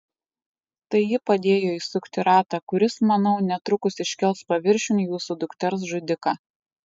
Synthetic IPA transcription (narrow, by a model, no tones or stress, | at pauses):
t̪ɐɪjɪpɐd̪ʲeːjoːiːsʊkt̪ʲɪɾɑːt̪ɑkʊɾʲɪsmɐnɒʊnʲɛt̪ɾʊkʊsɪʃʲkʲɛlˠspɐʋʲɪɾʲʃʲʊnʲjuːsud̪ʊkt̪ʲɛɾs̬ʒʊd̪ʲɪkɑː